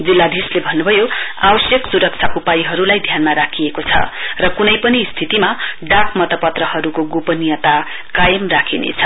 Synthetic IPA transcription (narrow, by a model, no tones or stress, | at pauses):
d͡zilːad̪ʱislebʱʌnːubʱʌjoa̰bʌsjʌksuɾʌk̚t͡sʰakupajiɦʌɾulajd̪ʱjanmaɾakʰijekot͡sʰʌ̰rʌkunʌjpʌnist̪ʰit̪imaɖakmʌt̪ʌpʌt̪rʌhʌɾukoɡupʌnijʌt̪a | kajʌmrakʰinḛt͡sʰʌ